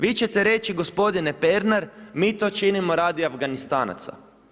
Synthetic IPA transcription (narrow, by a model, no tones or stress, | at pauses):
ʋiːt͡ʃe̞t̪eɾe̞t͡ʃiɡo̞spo̞d̪inepeɾnaɾmiːt̪o̞ːt͡ʃinimo̞ɾaːd̪iavɡanist̪aːna̰t̪sa̰